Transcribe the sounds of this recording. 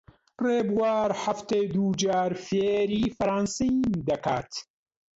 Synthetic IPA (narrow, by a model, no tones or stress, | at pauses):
reːbwaːɾħaft̪eːd̪uːd͡ʒaːɾfeːɾiːfɐɾaːnsind̪ɐkʰa̰ːt̪